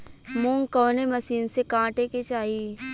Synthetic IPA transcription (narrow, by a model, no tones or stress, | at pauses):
mũːŋɡkɔːnemɐsiːnsekãːʈeket͡ʃaːɦi